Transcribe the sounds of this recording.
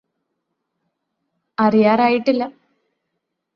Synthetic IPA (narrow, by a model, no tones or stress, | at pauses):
ɐrijaːɾaːjiʈːilːɐ